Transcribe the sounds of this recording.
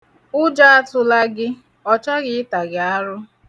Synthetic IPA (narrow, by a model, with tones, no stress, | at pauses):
ʊ˦d͡ʒa˦a˦tʊ˦la˦ɡɪ˦ | ɔ˦t͡ʃa˦ɣɪ˦ɪ˦ta˨ɡɪ˨a˦ɾʊ˦